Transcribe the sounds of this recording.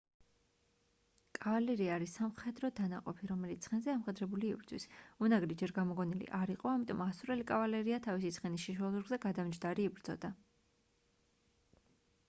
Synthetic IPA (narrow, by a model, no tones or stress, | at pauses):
kʼavalɛɾiaɾisamχɛd̪ɾɔd̪anaqʼɔ̰pʰiɾɔmɛlit̪sʰχɛnzɛamχɛd̪ɾɛbuliːbɾd̪zwḭsunaɡlid͡ʒɛɾɡamɔɡɔnilḭʔaɾiqʼɔamit̪ʼɔ̰masuɾɛlikʼavalɛɾiat̪ʰavisit̪sʰχɛnisʃiʃwɛlˠzuɾɡzɛɡad̪amd͡ʒd̪aɾiːbɾd̪zɔ̰d̪a